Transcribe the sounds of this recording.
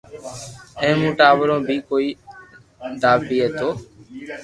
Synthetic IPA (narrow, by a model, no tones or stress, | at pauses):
ɛ̃ːmũːʈaːʋəɾõːbʱiːkoːiː | d̪aːbiːɦeːt̪oː